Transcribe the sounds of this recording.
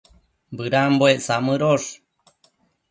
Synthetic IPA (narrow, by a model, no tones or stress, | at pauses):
bɨɾamboeʔsamɨɾoʂ